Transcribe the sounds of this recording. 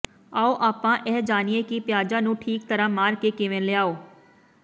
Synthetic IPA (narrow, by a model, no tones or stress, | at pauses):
aːoːʔaːpãːʔɛːd͡ʒaːnieːkɪpɪjaːd͡ʒãːnũːʈʰiːk̚t̪əɾãːmaːɾkeːkeʋẽnlɪaːoː